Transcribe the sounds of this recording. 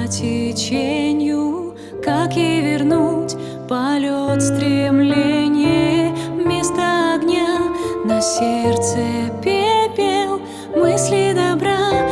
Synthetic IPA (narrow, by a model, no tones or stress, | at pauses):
tʲɪt͡ɕenʲɪjʊ | kakjejvʲɪrnutʲ | pɐlʲot̪st̪ɾʲɪmlʲenʲɪjɛmʲest̪əːɡnʲanɐsʲert̪səpʲepʲelˠ | mɨsʲlʲɪd̪ɐbɾa